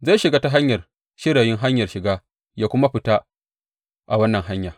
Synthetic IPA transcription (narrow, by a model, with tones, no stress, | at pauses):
za˦˨ʃɪ˨ɡaː˦ta˦ɦa˦ɲjɐ˨r | ʃɪ˦ɾaː˨jɪ˦ŋɦa˦ɲjɐ˨rʃɪ˨ɡaː˦ | jaː˦kʷʊ˦ma˦ɸɪ˨ta˦ | ʔa˨wɐ˦nːɐ˨ŋɦa˦ɲjaː˨